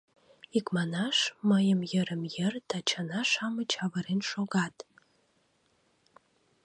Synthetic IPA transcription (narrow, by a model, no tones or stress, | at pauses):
ikmɑnɑʃməjəmjəɾəmjərt̪ʰɑt͡ʃʰanɑʃɑmət͡ɕɑvəɾenʃoɣɑt̪